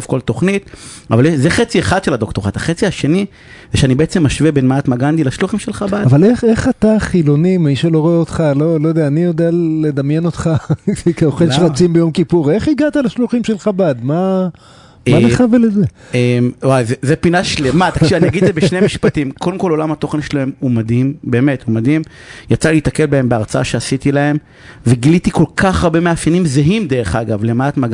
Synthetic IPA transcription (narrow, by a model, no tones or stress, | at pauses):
ofkolt̪oχnit̪avaljeʃzeχet͡sieχad̪ʃelad̪okt̪oʁat̪aχet͡siaʃe̞ni | zeʃeanibeet͡se̞mːaʃvebenmaat̪maɡand̪ilaʃluχimʃelχabadavale̞χeχat̪aχilo̞nimaiʃaloʁeotχalo̞lojodeaːnijod̪ejaled̪amje̞no̞t̪χafikaoχelʃeʁat͡simbejo̞mkipuʁe̞χiɡat̪alaʃluχimʃelχabad̪ma | maleχaveleze | emwajzezepinaʃlemat̪akʃivaniaɡid̪zebeʃnemiʃpat̪imkod̪emko̞lo̞lamhat̪o̞χenʃelahe̞mumad̪imbe̞ːme̞t̪humad̪im | jat͡saleit̪ake̞lbaembeaʁt͡saa̰ʃeasit̪ilae̞m | veɡilit̪iko̞lkʰaχaʁbemeafjanimzeɦimd̪e̞ʁeχaɡavlemaːt̪maɡ